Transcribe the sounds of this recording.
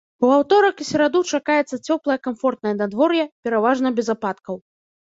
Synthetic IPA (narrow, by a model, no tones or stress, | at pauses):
uawt̪ɔɾɐkisʲɛɾad̪ut͡ʂakajɛt̪sːɐt͡sʲɔplˠɐjɐkamfɔrt̪nɐjɐnad̪vɔɾjɛpʲɛɾavaʐnɐbʲɛzapat̪kɐw